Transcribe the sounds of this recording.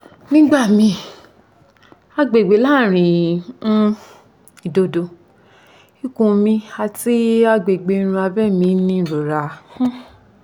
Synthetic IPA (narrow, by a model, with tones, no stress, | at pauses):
nĩ˦ɡ͡ba˦˨mĩ˧ | a˧ɡ͡be˨ɡ͡be˨˦la˦˨ɾ̃ĩ˨˦ | i˨do˨˦do˧ | i˦kũ˧mĩ˧a˧ti˦a˧ɡ͡be˨ɡ͡be˨˧˦ɾ̃ũ˧a˧bɛ˦˨mĩ˨˧˦nĩ˧˦˨ɾo˨ɾã˨˦